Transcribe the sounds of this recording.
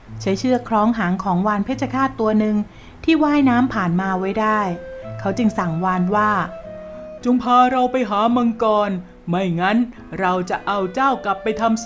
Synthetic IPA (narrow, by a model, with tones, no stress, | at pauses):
t͡ɕʰa˦˥jt͡ɕʰɯː˥˩ɐkʰɾɔː˦˥ŋɦaː˩˦ŋkʰɔː˩˦ŋwaː˧npʰeː˥˩t̪t͡ɕʰa˧kʰaː˥˩t̪ːu˧ɐnɯ˧ŋ | t̪ʰiː˥˩waː˥˩jnaː˦˥mpʰaː˨˩nmaː˧wa˦˥jdaː˥˩jkʰa˦˥wt͡ɕɯ˧ŋsa˨˩ŋwaː˧nwaː˥˩ | t͡ɕu˧mpʰaː˧ɾa˧wpa˧jɦaː˩˦mɯ˧ŋkɔː˧n | ma˥˩jŋa˦˥n | ɾa˧wt͡ɕa˨˩ʔa˧wt͡ɕaː˥˩wkla˨˩pːa˧jt̪ʰa˧m